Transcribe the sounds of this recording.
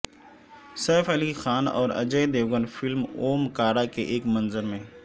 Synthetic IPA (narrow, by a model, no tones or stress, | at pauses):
sɛːfɐlixaːnɔ̰ːɾɐ̰d͡ʒəd̪eːʋɡənfɪlmoːmkaːɾakeʔeːkmɐnzəɾmẽː